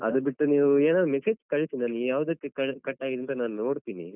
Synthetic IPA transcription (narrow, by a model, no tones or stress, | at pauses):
ɐ̰d̪ɐbiʈːuniːʋueːnaːd̪ɾumeseːd͡ʒkɐɭit̪inaːnjaːʋɐd̪ɐkːekɐɭkɐʈːaːɡid̪ɐnt̪ɐnaːnuno̞ːɽt̪iːnḭ